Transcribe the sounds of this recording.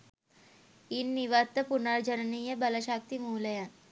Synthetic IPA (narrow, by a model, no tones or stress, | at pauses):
iːnːiʋat̪ːəpunaɾd͡ʑənənijəbələɕak̚t̪imuːləja